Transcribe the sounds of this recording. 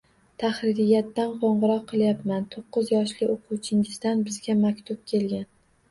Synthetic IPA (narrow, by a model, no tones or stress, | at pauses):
t̪ʰaχɾɪɾɪjːat̪ːanqʰoɴʁɨɾɒqʰːɨlˠjapmant̪ʰoqːɨzjɒʃlɪoqʰuwt͡ʃʰɪŋɪzd̪anbɪzɡʲamakʲt̪ʰʊp̚kʲʰe̞lɡʲan